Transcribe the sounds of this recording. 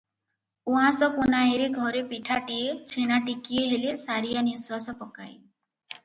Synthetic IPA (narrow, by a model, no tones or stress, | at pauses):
uɦãsɔpunajɾeɡʱɔɾepiʈʰaʈiet͡ʃʰenaʈikijeɦelesaɾijaniswasɔpɔka̰j